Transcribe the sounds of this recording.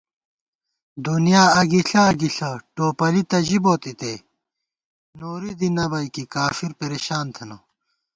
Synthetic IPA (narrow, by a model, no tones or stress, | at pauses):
d̪unijaːɐɡiɬɐːɡiɬɐʈoːpɐlit̪ɐʑiboːt̪it̪eː | noːɾid̪inɐbɐjkikaːfiɾpeɾeɕaːnt̪ʰɐnɐ